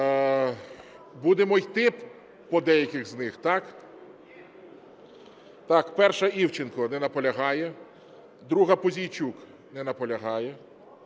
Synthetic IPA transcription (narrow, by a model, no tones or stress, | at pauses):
bud̪emɔjt̪ɪp | pɔd̪ɛjɐkʲɪɣznɪxt̪ɑk | t̪ɑkpɛrʃɐiwt͡ʃɪnkɔnɛnɐpɔlʲɐɦɑjɛ | d̪ɾuɦɐpɔzʲijt͡ʃʲuk | nɛnɐpɔlʲɐɦɑjɛ